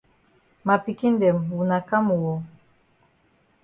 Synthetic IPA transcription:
ma˨pi˨ki˦ndɛ˨mwu˨na˨ka˦mu˨wɔ˨

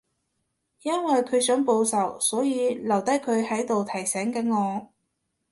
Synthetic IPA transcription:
jɐ˥nwɐ˨jkʰɵ˨˧ɥsœː˨˥ŋpo˧wsɐ˨˩wsɔː˨˥jiː˨˧lɐ˨˩wt̪ɐ˥jkʰɵ˨˧ɥhɐ˨˥jt̪o˨wt̪ʰɐ˨˩jsɛː˨˥ŋkɐ˨˥nŋɔː˨˧

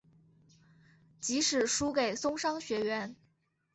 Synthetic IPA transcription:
t͡ɕi˧˥ʂɻ̩˨˩ʂu˥ke˨˩ɪsʊ˥ŋʂɑ˥ŋɕɥɛ˧˥ɥɛ˧˥n

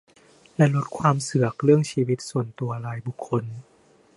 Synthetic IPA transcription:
lɛ˦˥lo˦˥t̪̚kʰwaː˧msɯ˨˩ɐək̚ɾɯ˥˩əŋsiː˧wi˦˥t̪̚su˨˩ənt̪u˧ɐɾa˧jbu˨˩kʰːo˧n

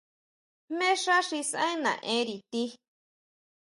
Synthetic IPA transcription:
mẽ˦ʂa˦ʂi˧sã̰˦ĩ˦nã̰˨ʔẽ˧˦ɾi˧t̪i˦

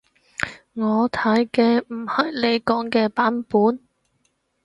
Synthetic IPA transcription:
ŋɔː˨˧t̪ʰɐ˨˥jkɛː˧m̩˨˩hɐ˨jle˨˧jkɔː˨˥ŋkɛː˧paː˨˥npuː˨˥n

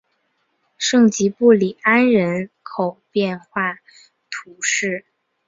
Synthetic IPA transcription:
ʂɤ˥˩ŋt͡ɕi˧˥pu˥˩li˨˩a˥nɻə˧˥n | kʰo˨˩ʊpjɛ˥˧nxwa˥˩ | t̪ʰu˧˥ʂɻ̩˥˩

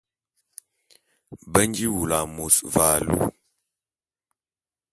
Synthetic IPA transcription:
bə˦n˦ɡi˦wu˨la˨mo˨sva˨lṵ˦

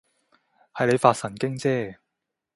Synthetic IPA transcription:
hɐ˨jle˨˧jfaː˧t̚sɐ˨˩nkɪ˥ŋt͡sɛː˥

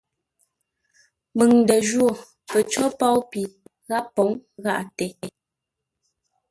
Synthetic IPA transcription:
mɨ˨ŋndə˨d͡ʒwo˨ | pə˨t͡ʃɔ˦pa˦wpi˨ | ɣa˦pːɔ˨˦ŋɣa˦ʔtɛ˨˦˨

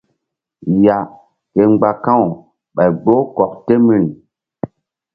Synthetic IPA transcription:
ja˨ | ke˨ŋ͡mɡ͡ba˨kã˦˨w | ɓa˨jɡ͡bo˦kɔ˨k̚te˦mi˦˨n

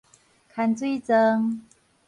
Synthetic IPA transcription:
kʰa˧nt͡swe˥˧t͡sə˧ŋ

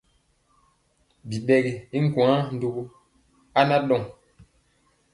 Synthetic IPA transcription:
bi˨ɓɛ˨ɡi˨i˦ŋ̩˦kũ˨a˦n̩˨du˨ɡu˦ | a˦na˦ɗɔ˦˨ŋ

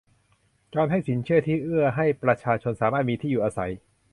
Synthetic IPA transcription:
t͡ɕɔː˧nɦa˥˩jsi˩˦nt͡ɕʰɯ˥˩ɐt̪ʰiː˥˩ʔɯ˥˩ɐɦa˥˩jpɾa˧t͡ɕʰaː˧t͡ɕʰo˧nsaː˩˦maː˥˩t̪̚miː˧t̪ʰiː˥˩juː˨˩ʔaː˧sa̰˩˦j

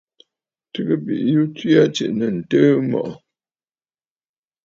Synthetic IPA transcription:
tɨ˦ɡə˦bḭ˨ʔju˦ti˦a˦t͡ʃḛ˨ʔnə˨n̩˨tə˦mɔ̰˨ʔ

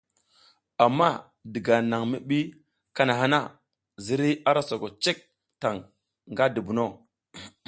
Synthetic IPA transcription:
a˨mːa˦ | di˨ɡa˨na˨ŋmi˦ɓi˦ | ka˦na˨ɦa˦na˦˨ | zi˦ɾi˦a˦ɾa˦so˨ko˨t͡ʃe˦k̚ | ta˨ŋ | ŋɡa˦di˨bu˨no˦

